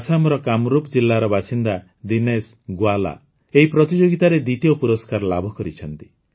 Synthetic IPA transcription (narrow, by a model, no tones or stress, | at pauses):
asamɾɔkamɾupɔd͡ʒilːaɾɔbasind̪a | d̪ines | ɡwala̰ | eɦipɾɔt̪id͡ʒoɡit̪aɾed̪it̪iɔpuɾɔskaɾɔlabʱɔkɔɾit͡ʃʰɔnt̪i